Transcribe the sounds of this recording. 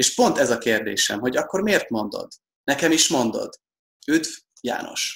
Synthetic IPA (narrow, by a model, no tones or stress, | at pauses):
eːʃpo̞nt̪ɛzɒkeːrd̪ḛːʃɛ̰mɦo̞ɟɒkːo̞rmeːrt̪mo̞nd̪o̰d̪ | nɛkɛmiʃmo̞nd̪o̞̰d̪ | yt̪v | ja̰ːnʔo̞̰ʃ